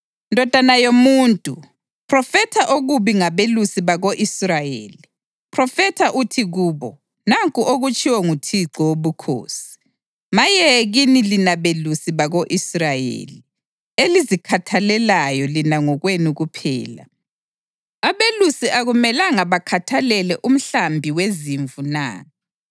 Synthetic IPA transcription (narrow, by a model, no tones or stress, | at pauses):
ndʱɔd̥ʱanajomuːntʼu | pʰrɔfɛtʰaʔoɣuβiŋaβelusiβaɣoʔisrajḛːli | pʰrɔfɛtʰaʔutʰiɣuːβɔ | naŋkʼuʔoɣut͡ʃʼiwɛŋutʰiǁɔwoβukʰo̰ːsi̥ | majɛɣinilinaβelusiβaɣoʔisrajḛːli | elizikʰatʰalɛlajɔlinaŋɔɣwenuɣupʰɛ̰ːla̰ | aβelusiʔaɣumɛlaŋaβakʰatʰalɛlɛʔum̩ɬambʱiweziɱvuna̰ː